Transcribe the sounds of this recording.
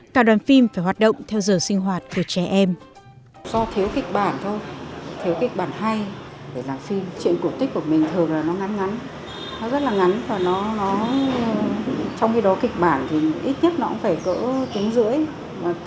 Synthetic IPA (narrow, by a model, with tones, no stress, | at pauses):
kaː˧˩ɗwaː˨˩nfi˧mfaː˧˩jɦwaː˨˩t̚ɗə̰˧˨wŋ͡mt̪ʰɛ˧wzəː˨˩jsï˧ŋ̟ɦwaː˨˩t̚ku˧˩ət͡ɕɛ˧˩ʔɛ˧m | zɔ˧t̪ʰi˨˦əwkï˨˩k̟̚ɓaː˧˩nt̪ʰo˧jt̪ʰi˨˦wkï˨˩k̟̚ɓaː˧˩nɦa˧jɗe˧˩laː˨˩mfi˧mt͡ɕḭ˧˨ənku˧˩ət̪i˦˥k̚ku˧˩əmï˨˩ŋ̟t̪ʰɨ˨˩əŋlaː˨˩nɔ˨˦ŋa˨˦nŋa˨˦n | nɔ˨˦zə˦˥t̚laː˨˩ŋa˨˦nvaː˨˩nɔ˨˦nɔ˨˦ | t͡ɕɔ˧wŋ͡mxi˧ɗɔ˨˦kï˨˩k̟̚ɓaː˧˩nt̪ʰi˨˩ʔi˦˥t̚ɲə˦˥t̚nɔ˨˧˦kʊ̰˧˥ŋ͡mfaː˧˩jkə̰ː˧˥t̪i˨˦əŋzɨ̰˧˥əj | va˨˩